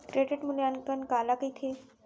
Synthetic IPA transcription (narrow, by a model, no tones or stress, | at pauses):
kɾeɖiʈmuljankənkalakəjt̪ʰe